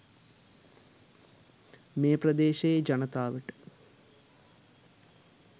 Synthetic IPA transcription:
meːprɐd̪eːʃɐed͡ʒɐnɐt̪aːʋiʈɨ̥

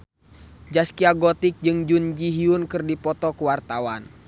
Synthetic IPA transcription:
d͡ʒaskiaɡɔt̪ik̚d͡ʒɨŋd͡ʒund͡ʒiɦiunkɨrdipɔt̪ɔkuwart̪awan

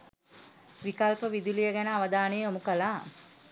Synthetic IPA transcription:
ʋikalpəʋid̪ulijəɡænəaʋəd̪aːnejːomukəlaː

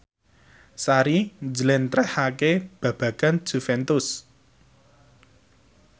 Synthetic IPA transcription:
saɾind͡ʒlɛnt̪ɾɛhakeb̥ä̤b̥ä̤ɡ̥an̥ʒ̥ṳfɛnt̪ʊs

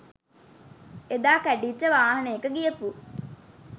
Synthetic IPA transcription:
ed̪aːkæɖiːt͡ʃəʋaːɦɐneekəɡijepu

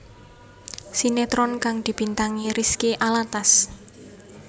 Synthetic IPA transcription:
sinet̪ɾɔnkaŋd̪̥i̤b̥i̤nt̪aŋiɾiskiʔalat̪as

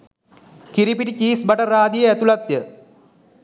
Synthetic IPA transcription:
kiɾipiʈit͡ʃiːsbɐʈɐraːd̪ijəæt̪ulɐt̪jə

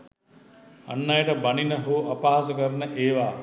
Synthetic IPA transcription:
ɐ̰nːajəʈəbɐninəɦoːʔɐpaɦas̬əkəɾnəʔeːʋaː

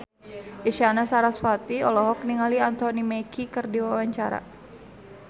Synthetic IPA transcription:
ʔiʃanasaɾasfat̪iɔlɔɦɔk̚niŋaliant̪ɔnimɛkʰikɨrdiwawaɲt͡ʃaɾa̰

